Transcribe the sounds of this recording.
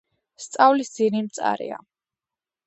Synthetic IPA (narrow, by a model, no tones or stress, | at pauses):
st̪sʼavlisd̪z̥inimt̪sʼa̰ɾḭa̰